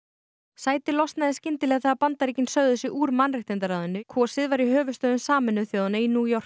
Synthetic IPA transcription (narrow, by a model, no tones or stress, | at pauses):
saːjt̪ɪlɔst̪naðɪscɪnt̪ɪlɛɣaθaapant̪aɾicɪnsœɥðʏsɪʔuːɾmanrɪht̪ɪnt̪̬aɾaːwðʏnːʏkʰɔːsɪðvaɾiɦœːvʏst̪œːðʏnsaːmɛnːʏθjoːðʏnainuːjɔr̥